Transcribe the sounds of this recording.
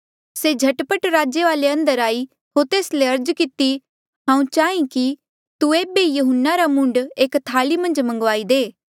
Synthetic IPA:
sed͡ʒʱɐʈpəʈɾaːd͡ʒeʋaːleɐ̃nd̪əɾaːi | ɦoːɾt̪eːsleɐɾd͡ʒkɪt̪i | ɦãːũt͡ʃaːĩki | t̪ueːbejʊɦʊnːaɾamʊ̃ɳɖeːkt̪ʰaːlimɐ̃nd͡ʒmɐ̃ŋɡʋaːid̪eː

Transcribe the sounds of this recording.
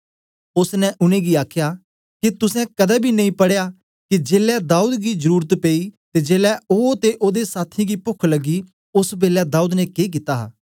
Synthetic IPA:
ʊsnɛʔʊnẽːɡiaːkʰjaː | kit̪ʊsɛ̃kɐd̪ɛːbʱinɐĩːpɐɽejaː | kid͡ʒeːlɛd̪aːuːd̪ɡizəɾuːɾət̪peːit̪ed͡ʒeːlɛoːt̪eʔoːd̪esaːt̪ʰĩɡipʊkʰləɡi | ʊsbeːlad̪aːuːd̪nɛkeːk̬ɪt̪aːɦa̰ː

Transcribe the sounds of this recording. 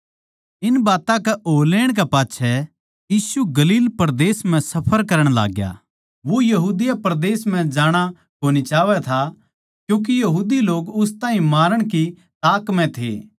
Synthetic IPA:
ɪnbaːt̪ãkɛʔoːleːɽ̃k̬ɛpaːtːʃʰɛ | jiːsuɡɐliːlpɐɾd̪eːsm̤ɛ̃sɐpʰəɾkɐɾəɽ̃la̰ːɡja̰ː | ʋojɐɦuːd̪ɪjapɾd̪eːsm̤ɛ̃d͡ʒaːɽ̃a | koːñit͡ʃaːʋɛt̪ʰa | kjũːk̬ijɐɦuːd̪iloːɡʊst̪ãːɦĩmaːɾəɽ̃k̬i | t̪aːkmɛ̃t̪ʰḛː

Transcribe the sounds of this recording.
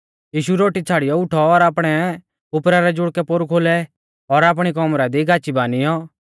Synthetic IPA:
jiːʃuɾoːʈit͡sʰaːɽɪjɔʊʈʰɔːɾaːpɽ̃ɛ | ʊpɾaɾɛd͡ʒʊɽkɛpoɾukʰoːlɛ | ɔɾaːp̬ɽ̃ikɔmɾad̪iɡʱaːt͡ʃibaːnɪjɔ

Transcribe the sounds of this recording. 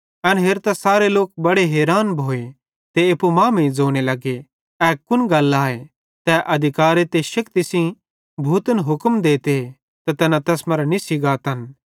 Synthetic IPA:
ɐnɦeːɾt̪asaːɾeloːk̚bɐɽeɦɛːɾaːnbʱoːe | t̪eepumãːmẽĩd͡zoːɽ̃elɐɡe | ɛːkʊnɡɐlaːe | t̪ɛʔɐd̪ʱɪkaːɾet̪eʃɐkt̪isĩ | bʱuːt̪ənɦʊkəmd̪eːt̪e | t̪ɐt̪ɛːnãt̪ɛːsmɐɾnisɪɡaːt̪ɐn

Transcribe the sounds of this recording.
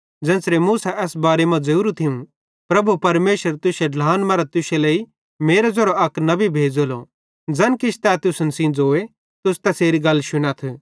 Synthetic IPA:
d͡zɛ̃ːnsɾemuːsaʔɛːsbaːɾemɐ̃d͡zɐuːɾut̪ʰɪũ | pɾɐbʱupɐɾmeːʃəɾt̪ʊseɖlaːnmɐːɾat̪ʊseleːi | meːɾed͡zoɾoɐknɐbibʱeːd͡zolo | d͡zɐnkɪt͡ʃʰt̪ɛːt̪ʊsnsĩnd͡zoːe | t̪ʊst̪ɛseːɾiɡɐlːʃʊɽ̃at̪ʰː

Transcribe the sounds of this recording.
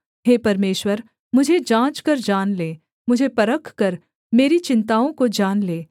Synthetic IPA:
ɦeːpɐɾmeːʃwəɾ | mʊd͡ʒʱed͡ʒãːt͡ʃkɐɾd͡ʒaːnleː | mʊd͡ʒʱepɐɾəkʰkɐɾ | meːɾit͡ʃɪ̃nt̪aːõkod͡ʒaːnleː

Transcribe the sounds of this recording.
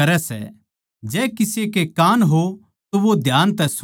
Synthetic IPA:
ɐɾɛsɛ̰ | d͡ʒɛːkɪsekekaːnɦo | t̪oʋod̪ʱjaːnt̪ɛs

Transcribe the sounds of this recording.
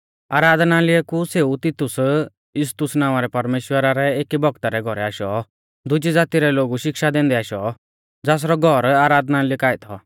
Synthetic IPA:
aːɾaːd̪nalɪɛkuseːut̪ɪt̪ʊs | jʊst̪ʊsnãːaɾɛpɐɾmeːʃwəɾaɾɛeːkibɔɡt̪aɾɛɡʱɔɾɛaːʃɔ | d̪ʊd͡ʒid͡zaːt̪iɾɛloːɡuʃɪkʃad̪ɛ̃ːnd̪ɛaːʃɔ | d͡zaːs̬ɾɔɡʱɔɾaːɾaːd̪ʱnalɪkaːɛt̪ʰɔ̰

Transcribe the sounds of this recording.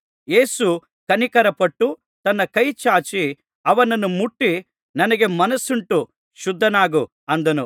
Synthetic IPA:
je̞ːsu | kɐnikɐɾɐpɐʈːu | t̪ɐnːɐkɐjt͡ʃaːt͡ʃi | ɐʋɐnɐnumuʈːi | nɐnɐɡe̞mɐnɐsuɳʈu | ʃud̪ʱːɐnaːɡu | ɐnd̪ɐnu

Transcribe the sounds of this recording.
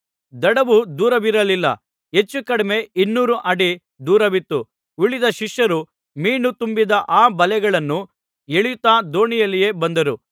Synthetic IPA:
d̪ɐɽɐʋud̪uːɾɐʋiɾɐlilːɐ̰ | ɦe̞t͡ʃːukɐɽɐme̞inːuːɾuʔɐɽi | d̪uːɾɐʋit̪ːu | ʋiɭid̪ɐʃiʂjɐɾu | miːnut̪umbid̪ɐʔaːbɐlɛɡɐɭɐnːu | eɭijt̪aːd̪o̞ːɳijɐlːije̞ːbɐnd̪ɐɾu

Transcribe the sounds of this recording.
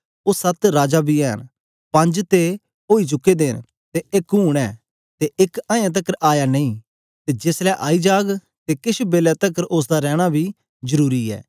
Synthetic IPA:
oːsɐt̪ɾaːd͡ʒabʱiɛ̰ːn | pɐ̃ɲd͡ʒt̪e | oːit͡ʃʊkːed̪eːn | t̪eɪkɦuːɽ̃ɛ̰ː | t̪eʔɪkãːjãt̪̬ɐkəɾaːjanɐ̃ĩː | t̪ed͡ʒɪslɛʔaːid͡ʒaːɡ | t̪ekɪʃbeːlɛt̪ɐkəɾʔʊs̬d̪aɾɛːɽ̃abʱi | zəɾuːɾiɛ̰ː

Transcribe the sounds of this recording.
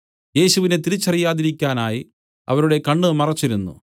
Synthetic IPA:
je̞ːɕuʋine̞t̪iɾit͡ɕːɐrijaːðiɾikʲːaːnaːji | ɐ̰ʋɐɾuɽe̞kɐɳɖɨmɐrɐt͡ɕːiɾunːṵ

